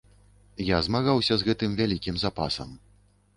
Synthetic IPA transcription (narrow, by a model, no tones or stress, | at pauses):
jazmaɣawsʲɐzɣɛt̪ɨmvʲalʲikʲimzapa̰sɐ̰m